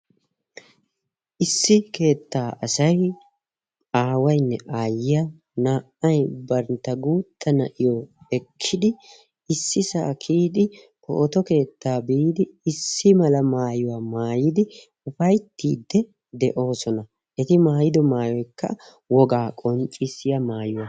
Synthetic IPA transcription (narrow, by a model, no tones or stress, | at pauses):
ʔɪsːɪke̞ːt̪ːaːʔɐsɐj | aːwɐjnːɛʔaːjɪjɐ | naːʔɐjbɐɾnt̪ːɐɡuːt̪ːɐnɐ̰ʔɪjoɛkʰːɪd̪ɪ | ɪsːɪsa̰ːkʰiːd̪ɪ | po̰ːt̪ɔke̞ːt̪ːaːbiːd̪ɪɪsːɪmɐlɐmaːjʊwaːmaːjɪd̪ɪ | ʊfɐjt̪ːḭːd̪ːɛ | d̪ɛʔo̞ːsɔnɐ | ʔɛt̪ɪmaːjɪd̪ɔmaːjɔjkːɐ̰ | wɔɡaːkʼɔnt͡ʃʼɪsɪjɐmaːjʊwa